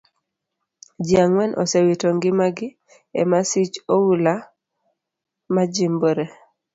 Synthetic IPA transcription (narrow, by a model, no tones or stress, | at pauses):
d͡ʒiaŋwɛnʔɔ̰sɛwitɔŋɡɪmaɡɪ | ɛ̰masit͡ʃowula | mad͡ʒimboɾe